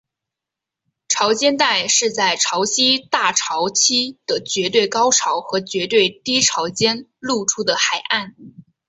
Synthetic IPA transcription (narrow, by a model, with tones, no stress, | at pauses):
ʈ͡ʂʰɑ˧˥ʊt͡ɕjɛ˥nt̪a˥˧ɪʂɻ̩˥˧t͡sa˥˩ɪʈ͡ʂʰɑ˧˥ʊɕi˥t̪a˥˩ʈ͡ʂʰɑ˧˥ʊt͡ɕʰi˥d̪̥ə˨t͡ɕɥɛ˧˥t̪̬we˥˩ɪkɑ˥ʊʈ͡ʂʰɑ˧˥ʊxɤ˧˥t͡ɕɥɛ˧˥t̪we˥˩ɪt̪i˥ʈ͡ʂʰɑ˧˥ʊt͡ɕjɛ˥nlu˥˩ʈ͡ʂʰu˥d̪ə˨xa˨˩ɪʔa˥˩n